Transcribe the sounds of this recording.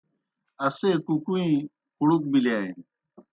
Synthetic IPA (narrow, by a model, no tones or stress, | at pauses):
ɐsekukuĩ | xuɽuk̚bilaːin